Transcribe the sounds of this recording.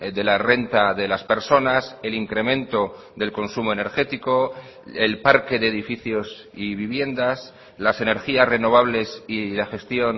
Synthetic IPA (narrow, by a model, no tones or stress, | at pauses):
d̪e̞lare̞nt̪aðe̞laspe̞ɾso̞nase̞liŋkɾe̞mẽ̞nt̪o̞ | ðe̞lko̞nsumo̞e̞ne̞ɾxe̞t̪iko̞ | e̞lpaɾke̞ðe̞ːðifiθjo̞s | iβiβje̞nd̪as | lase̞ne̞ɾxiasre̞no̞β̞aβle̞silaxe̞st̪jo̞n